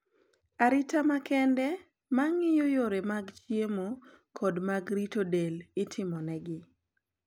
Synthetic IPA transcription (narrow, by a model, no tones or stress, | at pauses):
aɾɪtamakɛndɛ | maŋɪjojoɾemaɡt͡ʃjemo | kʰɔdmaɡɾitodelɪtʰɪmɔnɛɡɪ